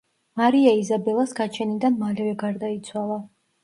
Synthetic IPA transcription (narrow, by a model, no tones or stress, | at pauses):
maɾiaizabɛlˠasɡat͡ʃʰɛnid̪anmalɛvɛɡaɾd̪ait̪sʰwalˠa